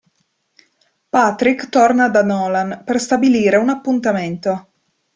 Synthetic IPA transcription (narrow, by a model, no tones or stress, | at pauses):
pat̪ɾikt̪ornad̪anɔːlanperst̪abiliːɾeunapːunt̪ament̪o